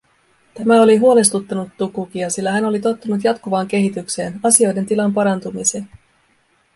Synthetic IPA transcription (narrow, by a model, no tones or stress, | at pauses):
t̪æmæo̞liɦuole̞st̪ut̪ːɑnut̪ːukuk̟iɑsilːæɦæno̞lit̪o̞t̪ːunut̪̬jɑt̪kuʋɑːŋke̞ɦit̪ykse̞ːnɑsio̞jde̞nt̪ilɑmpɑɾɑnt̪umise̞ːn